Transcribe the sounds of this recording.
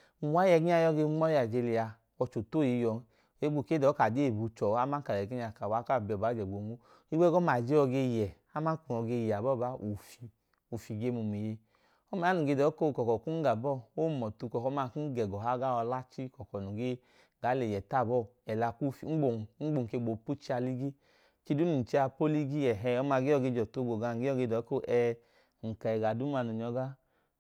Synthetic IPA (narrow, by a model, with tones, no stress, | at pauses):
u˨wa˦jɛ˧˨ɡi˦ɲa˧jɔ˧˦ɡe˧ŋ͡mɔ˦a˨d͡ʒe˧li˧a˧ | ɔ˧t͡ʃo˨to˦˨ji˧˦jɔ˧˦˨ | e˨˦ɡ͡bu˧˨ke˦dɔ˨˦ka˨de˦˨bu˨˧t͡ʃɔ˨˦a˦ma˦ka˨ɛ˨ɡi˦ɲa˧ka˨wa˨˦ka˦˨bɔ˨ba˨˦d͡ʒɛ˨ɡ͡bo˨ŋu˦ | i˦ɡ͡bɛ˦ɡɔ˦ma˨d͡ʒe˦ɔ˧ɡe˧jɛ˨ | a˦ma˦ku˨ɔ˧ɡe˧ja˨bɔ˦˨ba˦ʔu˨fi˧ | o˨fi˨ɡe˧mu˨mi˨je˧ | ɔ˦ma˨˦a˨˦nu˨ɡe˧dɔ˨˦ko˦˧kɔ˨kɔ˨ku˦n˦ɡa˨bɔ˦˨o˦˨mɔ˨tu˧kɔ˨kɔ˧˦ma˧ku˦ɡɛ˨ɡɔ˨ɦa˦ɡa˦ɔ˧la˦t͡ʃi˦kɔ˨kɔ˨nu˨ɡe˦ | ɡa˨˦le˨jɛ˨ta˦˨bɔ˦˨ɛ˨la˧ku˦fi˨˦ɡ͡bo˨ŋ͡m̩˦ɡ͡bo˨ke˧˨ɡ͡bo˨pu˦t͡ʃi˦a˧li˦ɡi˦ | ki˧du˦nu˨t͡ʃi˦a˧po˦li˦ɡi˦ɛ˨ɦɛ˧ɔ˧ma˧ɡe˦ɔ˧˨ɡe˧˨d͡ʒɔ˨to˨˦ɡo˨ɡa˧ŋ̩˨ɡe˦ɔ˦˨ɡe˧dɔ˨˦ko˦˨ʔɛ˧ | ŋ̩˨ka˨ɛ˨ɡa˨du˦m˦a˧˨nu˨ɲɔ˧˦ɡa˦